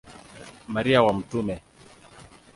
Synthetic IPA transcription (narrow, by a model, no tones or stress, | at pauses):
maɾiawam̩tumɛ